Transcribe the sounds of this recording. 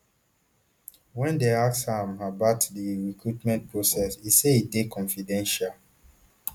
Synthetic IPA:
wɛ̃ndeakshãmabatdiɹikɹutmɛ̃nt̚pɹosɛsiseidekʰɔ̃nfidɛ̃nʃal

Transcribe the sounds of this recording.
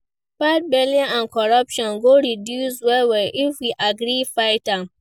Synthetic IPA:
fat̚bɛlĩãnkʰɔɹapʃɔ̃nɡoɹidjuswɛwɛʔifwiʔaɡɾifaɪtãm

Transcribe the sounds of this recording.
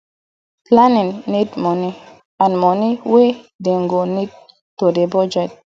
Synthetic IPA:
planinːitmoni | anmoniwedeŋɡonit̚ː | odebɔd͡ʒɛt̚

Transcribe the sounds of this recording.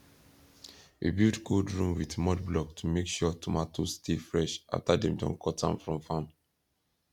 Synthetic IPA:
wḭbildkʰodɹũmwidmɔdblɔktʰumekʃɔtʰumatʰostʰifɹɛʃa̰ftadɛ̃mdɔ̰̃nkʰɔtã̰nfɹɔ̃mfãn

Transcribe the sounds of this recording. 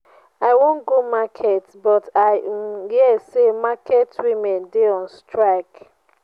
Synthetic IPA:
aɪwõnɡomakʰɛtbɔtaɪhisemakʰɛtwimɛ̃ndeɔ̃nstʰɹaɪk

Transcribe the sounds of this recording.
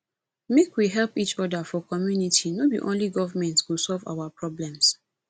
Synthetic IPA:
mekwiɦɛlpit͡ʃɔdafɔkɔmjunitʰinodḭʔõnliɡɔvamɛ̃ntswusɔlva̰wapɹɔblɛ̃ms

